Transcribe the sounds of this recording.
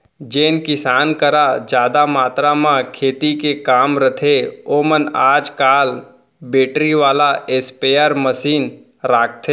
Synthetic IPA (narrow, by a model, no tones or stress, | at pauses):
d͡ʒeːnkɪsaːnkəɾad͡ʒjaːd̪amaːt̪ɾamãkʰeːt̪ikekaːmɾət̪ʰeoːmənaːd͡ʒkaːl | beːʈɾiʋaːlaespeːəɾməsiːn | ɾaːk̚ʰt̪ʰe